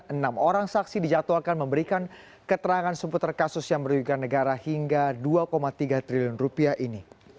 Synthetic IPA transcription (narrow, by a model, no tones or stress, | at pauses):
ənamoɾaŋsaksidid͡ʒat̪oakanməmbəɾikan | kət̪əɾaŋansəput̪ərkasʊsjaŋməɾujukanːəɡaɾahiŋɡaduakomat̪iɡat̪ɾiliʊnrupiaʔini